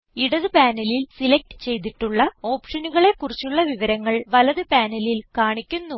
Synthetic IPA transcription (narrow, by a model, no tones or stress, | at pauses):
iɽɐðɨpaːnɐlilsilɐk̚ʈɨ̥t͡ɕe̞jt̪̬iʈːuɭːɐo̞ːpʂɐnuɣɐɭe̞kːurit͡ɕːuɭːɐʋiʋɐɾɐŋːɐɭʋɐlɐðɨpaːnɐlilkaːɳikʲːunːu